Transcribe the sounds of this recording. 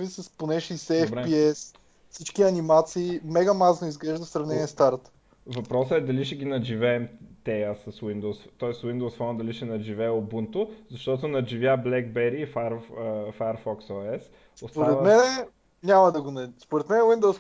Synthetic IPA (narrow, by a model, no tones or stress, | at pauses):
visɐsponɛʃiisɛɛfɾɛpiɛs | fsit͡ʃkiɐnimat̪siːmɛɡɐmaznoizɡlɛʒd̪ɐfsɾɐvnɛnʲiɛst̪aɾt̪ | vɐpɾɔsəɛd̪ɐliʃɛɡʲinɐd͡ʒivɛːmt̪ɛjəsɐswind̪osft̪ɔɛswind̪owsfɔnd̪ɐliʃɛnɐd͡ʒivɛobunt̪ʊzɐʃt̪ɔt̪ʊnɐʒivjablɛɡbɛɾiːfaɾfajɐɾfɔksɔɛs | ostpoaɾɛt̪mɛnɛ | nʲamɐd̪ɐɡonɐspoɾɛt̪mɛnɛwind̪ows